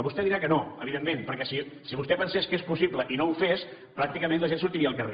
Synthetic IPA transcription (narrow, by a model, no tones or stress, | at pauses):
βust̪ɛðiɾakənoəβiðemːẽnpəɾkɛsisiβust̪ɛpənseskespusipləʔinowfes | pɾak̚t̪ikəmẽnləʒensuɾt̪iɾiəːlˠkəre